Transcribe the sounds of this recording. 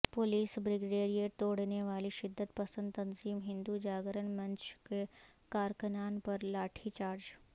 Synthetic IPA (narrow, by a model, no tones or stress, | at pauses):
poliːsbɾɪɡɽeːɾijet̪oːɽneʋaːliʃɪd̪ʱːət̪pɐsə̃nd̪̚t̪ɐ̃nziːmɦɪ̃nd̪ud͡ʒaːɡɾənmɐ̃nt͡ʃkekaːɾkənaːnpɐɾlaːʈʰit͡ʃaːɾd͡ʒ